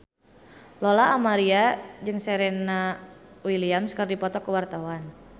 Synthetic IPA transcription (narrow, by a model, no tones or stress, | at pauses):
lolaʔːmaɾiad͡ʒɨŋsɛɾɛnawiliamskərdipɔt̪ɔkəwart̪awan